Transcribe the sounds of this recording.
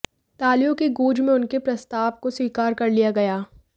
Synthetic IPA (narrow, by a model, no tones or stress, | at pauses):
t̪aːlijõkeɡuːd͡ʒmẽʊnkepɾɐst̪aːʋkoswiːkaːɾkɐɾlijaɡɐjaː